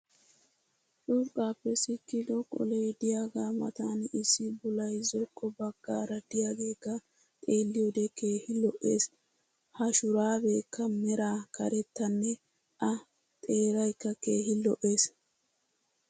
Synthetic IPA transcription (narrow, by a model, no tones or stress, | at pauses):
t͡ʃʊɾkʼːaːpːɛsɪkːɪd̪ɔkʼɔ̰lejd̪ɪjaːɡaːmɐ̰t̪aːnɪsːɪbʊlɐjzɔkʼːɔbɐɡ̥ːaːɾɐd̪ɪjaːɡe̞ːkːɐ | t̪ʼe̞ːlːɪjɔd̪ɛkʰe̞ːhɪlɔʔe̞ːs | hɐʃʊɾaːbe̞ːkːɐmɛɾaːkʰɐ̰ɾɛt̪ːɐnːɛ | ʔɐ | t̪ʼe̞ːɾɐjkːɐke̞ːhɪlɔʔe̞ːs